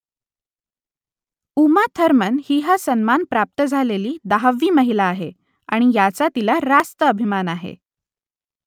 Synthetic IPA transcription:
umat̪ʰəɾmənhiːɦasənmanpɾap̚t̪əd͡zʱaleliːd̪aɦaʋːiːməɦilaːɦe | aɽ̃ijat͡sat̪ilaɾast̪əəbʱimanaɦḛ

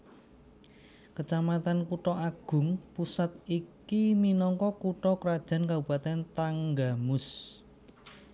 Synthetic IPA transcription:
kət͡ʃamat̪ankuʈɔaɡ̥ʊ̤ŋpusat̪̚ikiminɔŋkɔkuʈɔkəɾad̥ʒ̥a̤nkabṳb̥a̤t̪ɛnt̪aŋɡamʊs

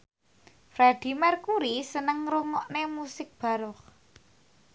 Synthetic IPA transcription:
fɾɛd̪̥i̤mɛrkuɾisənəŋɾoŋɔʔnemusɪk̚b̥a̤ɾɔχ

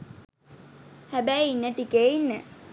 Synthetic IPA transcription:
hæbæjinːəʈikeinːə

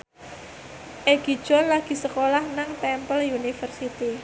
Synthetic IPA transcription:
ʔeɡ̥i̤d̥ʒ̥ɔ̤nlaɡ̥i̤səkolahnaŋtɛmpəljunifərsit̪i

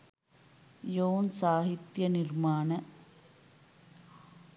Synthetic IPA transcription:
joːnsaːɦit̪jɐnirmaːnɐ

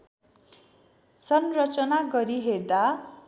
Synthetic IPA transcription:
sʌnrʌt͡sʌnaɡʌɾiɦerd̪a

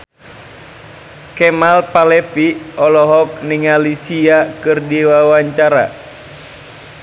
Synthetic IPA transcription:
kɛmalpalɛfiɔlɔɦɔk̚niŋalisiakɨrdiwawaɲt͡ʃaɾa̰

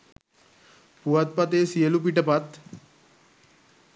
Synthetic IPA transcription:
puat̪̚pat̪eːsielup̬iʈəpat̪

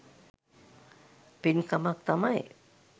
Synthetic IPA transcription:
pinkamat̪amaj

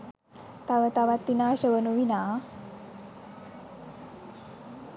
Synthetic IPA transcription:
t̪aʋət̪aʋat̪ːinaːɕəʋənuʋina

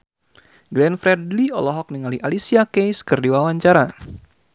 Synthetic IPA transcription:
ɡlɛnfɾɛdliɔlɔɦɔk̚niŋaliʔalisiakejskɨrdiwawaɲt͡ʃaɾa

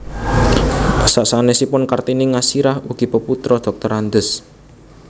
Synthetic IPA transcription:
pasaʔsanesipʊnkart̪inɪŋasiɾahuɡ̥i̤pəput̪ɾɔd̪̥ɔ̤k̚t̪ɔɾand̪əs

